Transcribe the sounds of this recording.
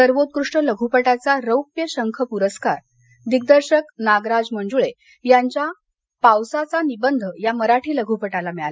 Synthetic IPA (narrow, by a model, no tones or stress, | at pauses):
səɾʋot̪̚kɾuʂʈələɡʱupəʈat͡saɾəwpjəɕəŋkʰəpuɾəskaɾ | d̪iɡ̚d̪əɾɕəknaɡɾad͡zməɳd͡zuɭe | jaɲt͡ɕja | pawsat͡sanibənd̪ʱəjaməɾaʈʰiːləɡʱupəʈalamiɭala